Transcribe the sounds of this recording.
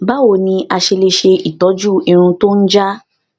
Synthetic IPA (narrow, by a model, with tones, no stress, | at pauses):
ba˦wo˨nĩ˧ʔa˧ʃe˧le˧ʃe˧i˨tɔ˨˦d͡ʒu˦i˧ɾ̃ũ˧to˦n̩˦d͡ʒa˦